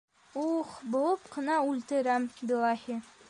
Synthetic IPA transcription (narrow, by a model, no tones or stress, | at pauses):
uχbolˠɤpqɤ̆nɑʉlt̪ɘ̆ɾæmbilˠɑhi